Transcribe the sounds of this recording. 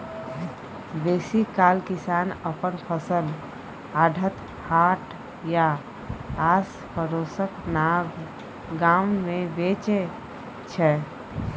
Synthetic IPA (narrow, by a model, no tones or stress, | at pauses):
besikalkisanəpənpʰəsəl | aɖʱət̪ | haʈ | ja | as | pʰəɾosəknaɡ | ɡammebet͡ʃe | t͡ʃʰɛ